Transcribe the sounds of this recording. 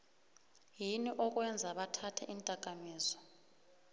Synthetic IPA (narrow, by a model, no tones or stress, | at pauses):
jiniʔɔk̬ʼwɛnd͡zʱaɓatʰatʰɛ̰ʔintʼak̬ʼamiːzɔ̥